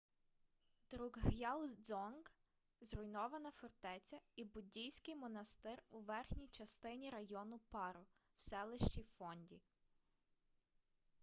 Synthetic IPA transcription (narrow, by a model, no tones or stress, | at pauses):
d̪ɾuɡɦjɑlˠd̪zɔnɡ | zrʊjnɔʋɐnɐfɔrt̪ɛt͡sʲɐibʊdʲijsʲkɪjmɔnɐst̪ɪruʋɛrxnʲijt͡ʃɐst̪ɪnʲiɾɐjɔnʊpɑɾʊ | w̥sɛlˠɪʃt͡ʃʲijfɔnʲdʲi